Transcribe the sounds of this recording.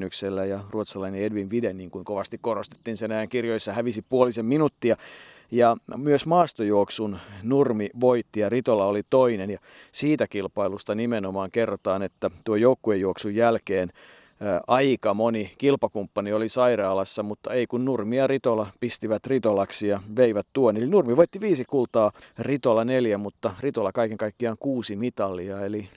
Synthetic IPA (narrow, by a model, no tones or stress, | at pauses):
nykselːæjɑruot̪sɑlɑineedʋinʋidenniːŋkuiŋkoʋɑst̪ikkorost̪e̥t̪ːiːnsenæjæŋkirjojsːɑhæʋisipuolisemminut̪ːiɑ | jɑmyøsmɑːst̪ojuoksunnurmiʋoit̪ːijɑrit̪olɑolit̪oinenjɑ | siːt̪ækilpɑilust̪ɑnimenomɑːŋkerːot̪ɑːnet̪ːæt̪uojoukːuejuoksujjælkeːnː | ʔɑikɑmonikilpɑkumpːɑniolisɑirɑːlɑsːɑmut̪ːɑeikunnurmiɑrit̪olɑpist̪iʋæt̪rit̪olɑksijɑʋeiʋæt̪t̪uonːelinurmiʋoit̪ːiʋiːsikult̪ɑːrit̪olɑneljæmut̪ːɑrit̪olɑkɑikeŋkɑikːiɑŋkuːsimit̪ɑlːiɑeli